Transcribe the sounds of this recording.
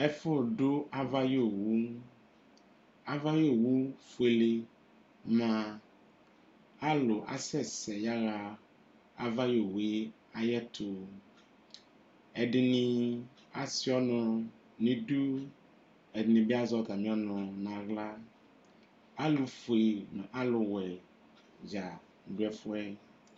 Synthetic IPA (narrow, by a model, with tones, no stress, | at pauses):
ɛ˦fo˦˨ɖʊ˦a˦va˦jo˦˨wu˦ | a˦va˦jo˦˨wu˦fo˨e˨le˨ | mã˨ | a˦lo˨ʔa̰˦sɛ˦˨sɛ˨ja˦ɣa˨ | a˦va˦jo˨we˦ | a˨jɛ˦t̪ʰo˨ | ɛ˨ɖɪ˨nĩ˦ | a˦si˦ɔ˦nʊ̃˨ | nĩ˦du˦ | ɛ˨dnĩ˨bi˦a˦zɔ˦˨t̪a˨mĩ˦ɔ˦nʊ̃˨nã˨ɣla˦ | a˦lu˨fo˨e˨mɛ̃˨ʔa˦lʊ˨wɛ˨ | d͡ʒa˨ | ɖu˦ɛ˨fʊ˦ɛ˦